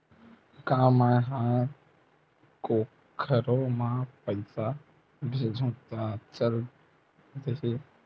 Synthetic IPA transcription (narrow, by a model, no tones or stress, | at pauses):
kãːmãɦã | ko | kʰəɾomãpəɪsa | bʱed͡ʒʱõːt̪at͡ʃəl | d̪eɦe